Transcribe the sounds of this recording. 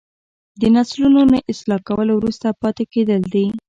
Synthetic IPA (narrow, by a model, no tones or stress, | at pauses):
d̪ənaslunonaʔɪslɑkawəlowɾust̪apɑt̪eked̪əld̪i